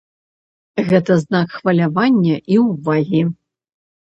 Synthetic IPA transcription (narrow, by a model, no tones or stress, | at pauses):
ɣɛt̪ɐznakxvɐlʲavanʲːɐʔiwvaɣʲi